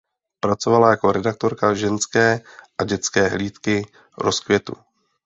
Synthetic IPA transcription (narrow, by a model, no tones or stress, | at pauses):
pɾat͡so̞valajako̞ɾɛdak̚t̪o̞ɾkaʒɛnskɛːʔaɟɛt͡skɛːɦliːt̪kɪ | ɾo̞skvjɛt̪ṵ